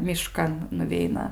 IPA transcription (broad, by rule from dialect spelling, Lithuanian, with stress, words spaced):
mʲɪˈʃkɐn nʊˈʋʲɛɪnɐ